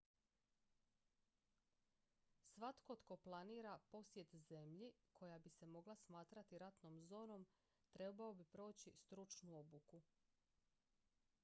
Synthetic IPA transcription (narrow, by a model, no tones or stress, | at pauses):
sʋat̪kot̪ko̞plˠaniːɾapo̞sjet̪ze̞mʎikʰo̞jabise̞mo̞ɡlˠasmaːt̪ɾat̪iɾat̪no̞mzo̞ːno̞m | t̪ɾe̞baobipɾo̞ːt͡ɕist̪ɾut͡ʃnuo̞buku